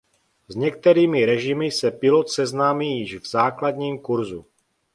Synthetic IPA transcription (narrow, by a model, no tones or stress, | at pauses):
zɲɛkt̪ɛɾiːmɪɾɛʒɪmɪsɛpɪlot̪sɛznaːmiːjɪʒvzaːklad̪ɲiːmkuɾzu